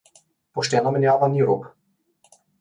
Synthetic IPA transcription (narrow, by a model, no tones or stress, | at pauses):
pɔʃt̪ɛnamɛnjavaniɾṵp